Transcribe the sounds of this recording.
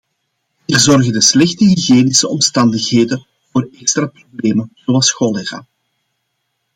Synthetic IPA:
iːrzɔrɣədəslɛxtəɦiɣeːnɪsəɔmstɑndəxɦeːdə | voːrɛkst̪ɾaprobleːmənzoɑlˠsxɔleɣa̰ː

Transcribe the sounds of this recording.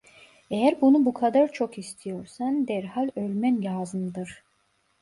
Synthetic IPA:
ejæɾbunubukʰad̪aɾt͡ʃʰo̞kist̪ʰijo̞ɾsand̪æɾhalʲølʲmænjaːzɯmd̪ɯɾ̥

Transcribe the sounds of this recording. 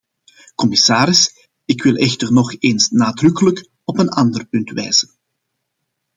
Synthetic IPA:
kɔmɪsaːɾɪs | ɪkʋɪlˠɛxtərnɔxeːnsnaːdrʏkələk | ɔpənɑndərpɵntʋɛjz̥ən

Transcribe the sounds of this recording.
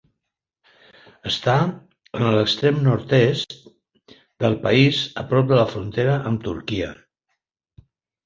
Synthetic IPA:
əst̪a | ənələkst̪ɾemnɔɾt̪ɛstt̪ | d̪əlˠpəizəpɾɔp̚d̪ələfɾunt̪eɾəʔəmt̪uɾkiə̰

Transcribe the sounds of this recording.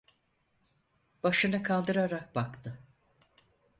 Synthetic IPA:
b̥aʃɯnɯkʰalˠd̪ɯɾaɾak̚bakt̪ʰɯ

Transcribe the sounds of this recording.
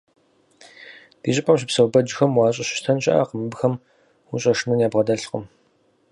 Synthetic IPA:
d̥iːɕʼɪpʼɐmɕ̬ɪpsɐwbɐd͡ʒɪxɐmwɑːɕʼɐɕɪ̥ʃtʰɐnɕʼɐ̰ʔa̰qəmɨbxɐm | uɕʼɐʂnuːnjaːbʁɐdɐɬqə̰m

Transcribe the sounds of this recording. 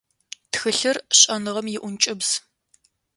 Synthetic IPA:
txɨɬɨrɕʼɐnɨʁɐmjɪʔʷʊnt͡ʃʼɪbz̥

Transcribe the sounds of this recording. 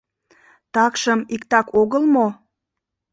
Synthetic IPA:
t̪ɑkʃəmikt̪ɑkoɣəlmo

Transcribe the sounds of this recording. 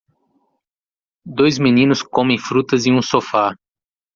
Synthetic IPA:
d̪ojzminĩnʊskõmẽj̃fɾut̪ɐzĩũsofa

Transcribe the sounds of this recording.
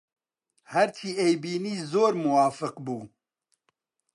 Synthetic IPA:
hɛɾt͡ʃʰiːʔejbiːniːzoːɾmuwaːfɨqbuː

